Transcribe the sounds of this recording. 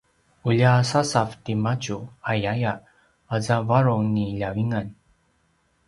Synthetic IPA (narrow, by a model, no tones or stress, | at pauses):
uʎasasavtimat͡ɕuajaja | azavaɾuŋniʎawiŋan